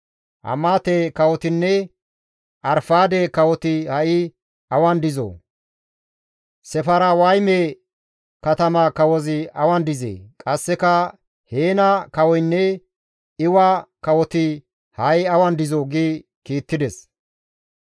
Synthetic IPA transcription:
ʔɐ̰maːt̪eːkɐwɔt̪ɪnːɛ | ʔɐɾfaːd̪eːkɐwɔt̪ɪhɐʔɪ | ɐwɐnd̪ɪzo̰ː | sɛfɐɾawɐjmeː | kɐt̪ɐmaːkɐwɔzɪɐwɐnd̪ɪzḛːkʼɐsːɛkɐ | heːnɐkɐwɔjnːɛ | ɪwaːkɐwɔt̪ɪ | hɐʔɪɐwɐnd̪ɪzoːɡi | kiːt̪ːɪd̪ɛs

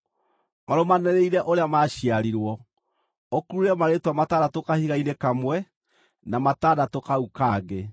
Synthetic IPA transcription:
maɾomanɛɾeiɾɛʔoɾeamaʃiaɾiɾwɔ | okuɾuɾeɛmaɾetwamataːdatokahiɣainekamwɛ | namataːdatokaukaːɡe

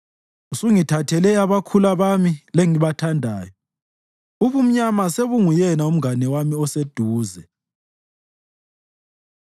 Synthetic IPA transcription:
usuŋitʰatʰɛlɛjaβakʰulaβamileŋiβatʰandʱaːjɔ | uβum̩ɲamaseβuŋujɛnaum̩ɡanɛwamiɔsed̥ʱuːzɛ

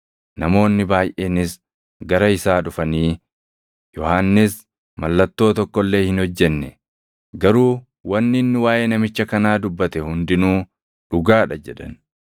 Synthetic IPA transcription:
nɐmo̞ːnːɪbaːjʔeːnɪs | ɡɐɾɐɪsaːᶑʊfɐniː | jɔhaːnːɪs | mɐlːɐt̪ːo̞ːt̪ɔkːɔlːe̞ːhɪnhɔd͡ʒːɛnːɛ | ɡɐɾuː | wɐnːɪnːɪwaːʔeːnɐmɪt͡ʃːɐkɐnaːd̪ʊbːɐt̪ɛhʊnd̪ɪnuː | ᶑʊɡaːᶑɐd͡ʒɛᶑɐn

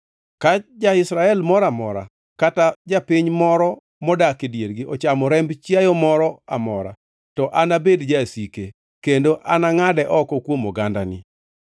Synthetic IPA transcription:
kat͡ʃd͡ʒaɪsɾaɛlmɔɾamɔ̰ɾa̰ | katad͡ʒapɪɲmɔɾɔ | mɔdakidjeɾɡɪʔɔt͡ʃamɔɾɛmbt͡ʃjajɔmɔɾɔamɔɾa̰ | tɔʔanabedd͡ʒasike | kendoʔanaŋadɛʔɔkɔkwomɔɡanda̰nɪ̰

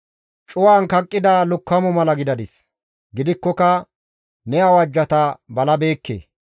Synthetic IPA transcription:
t͡ʃʼʊwaːnkɐkʼːɪd̪alʊkːɐmʊmɐlɐɡɪd̪ɐd̪ɪs | ɡɪd̪ɪkːɔkɐ | nɛɐwɐd͡ʒːɐt̪ɐbɐlɐbe̞ːkːḛː

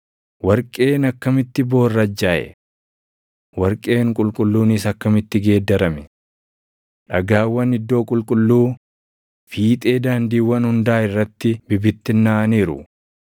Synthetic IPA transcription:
wɐɾkʼe̞ːnɐkːɐmɪt̪ːɪbo̞ːrːɐd͡ʒːaːʔɛ̰ | wɐɾkʼe̞ːŋkʼʊlkʼʊlːuːnɪsɐkːɐmɪt̪ːɪɡe̞ːd̪ːɐɾɐmɛ | ᶑɐɡaːwːɐnɪd̪ːo̞ːkʼʊlkʼʊlːuː | fiːt̪ʼe̞ːd̪aːnd̪iːwːɐnhʊnd̪aːɪrːɐt̪ːɪbɪbɪt̪ːɪnːaːɐniːɾʊ̰

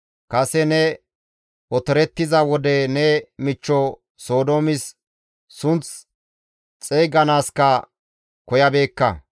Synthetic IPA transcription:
kɐsɛnɛ | ʔɔt̪ɛɾɛt̪ːɪzɐwɔd̪ɛnɛmɪt͡ʃːɔ | so̞ːd̪oːmɪs | sʊnt͡s | t͡sʼejɡɐnaːskɐ | kɔjɐbe̞ːkːɐ̰

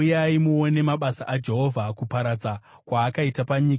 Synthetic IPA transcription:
jaimuone̞maɓasaʔad͡ʒe̞ɦo̞vʱakupaɾad͡za | kwaːkaitapaɲiːka

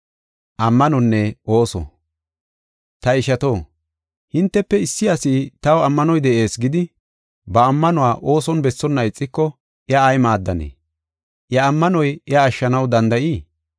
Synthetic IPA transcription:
ʔɐmːɐnɔnːɛo̞ːsɔ̰ | t̪ɐɪʃɐt̪o̞ː | hɪnt̪ːɛpːɛɪsːɪɐsiːt̪ɐwɐmːɐnɔjd̪ɛʔe̞ːsɡɪd̪ɪ | bɐːmːɐnʊwaːʔo̞ːsɔnbɛsːɔnːɐɪt͡sʼːɪkːɔ | ɪɐːjmaːd̪ːɐnḛː | ʔjɐːmːɐnɔjɪɐːʃːɐnɐwd̪ɐnd̪ɐʔiː

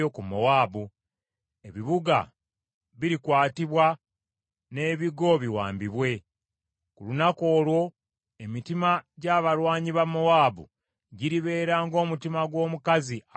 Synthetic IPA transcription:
okumːowaːbu | e̞βiβuɡa̰ | βiɾikwaːtiβwa | ne̞ːβiɡo̞βiwa̰ːmbiβwe̞ | kulunako̞ːlwo̞ | e̞mitimaɟaːβalwaːɲiβamːowaːbṵ | ɟiɾiβe̞ːɾaːŋɡo̞ːmutimaɡwo̞ːmukazi

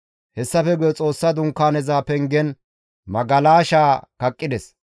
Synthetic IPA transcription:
hɛsːɐfɛɡʊjɛt͡sʼo̞ːsːɐd̪ʊŋkːaːnɛzaːpɛŋɡɛn | mɐɡɐlaːʃaːkɐkʼːɪd̪ɛs

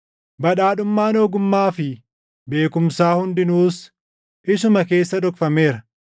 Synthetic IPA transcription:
bɐᶑaːᶑʊmːaːnoːɡʊmːaːfɪ | be̞ːkʊmsaːhʊnd̪ɪnuːs | ʔɪsʊmɐke̞ːsːɐᶑɔkfɐme̞ːɾɐ

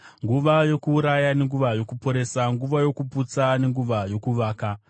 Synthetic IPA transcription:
ŋɡuʋajo̞kuːɾajane̞ŋɡuʋajo̞kupo̞ɾe̞ːsaŋɡuʋajo̞kuput͡sane̞ŋɡuʋajo̞kuʋaːka

